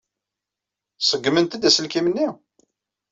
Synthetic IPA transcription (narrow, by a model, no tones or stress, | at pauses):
səɡːmənt̪əd̪æsəlkimənːi